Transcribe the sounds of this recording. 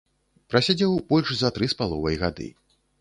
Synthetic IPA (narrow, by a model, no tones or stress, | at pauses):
pɾɐsʲad͡zʲɛwb̥ɔlʲʂzɐt̪ɾɨspalˠɔvɐjɣad̪ɨ̰